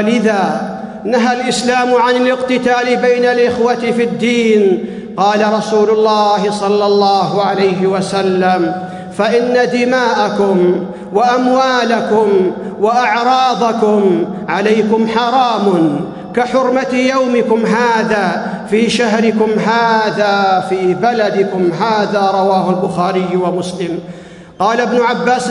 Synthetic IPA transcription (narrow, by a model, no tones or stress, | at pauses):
alɪðaː | naɦalʔɪslaːmʊʕanɪlɪqt̪ɪt̪aːlɪbajnalʔɪxwat̪ɪfɪd̪ːiːn | qɑːlaɾˤɑsuːlʊlːɑːhɪsˤɑlːɑlːɑːɦʊʕalajɦɪwasalːam | faʔɪnːad̪ɪmaːʔakʊm | waʔamwaːlakʊm | waʔaʕɾˤɑːd̪ˤɑkʊmʕalajkʊmħɑɾˤɑːmʊn | kaħʊɾmat̪jawmɪkʊmɦaːðaːfiːʃaɦɾɪkʊmɦaːðaːfiːbalad̪ɪkʊmɦaːðaːɾˤɑwaːhʊlbʊxaːɾɪjːwamʊslɪm | qɑːlabnʊʕabːaːs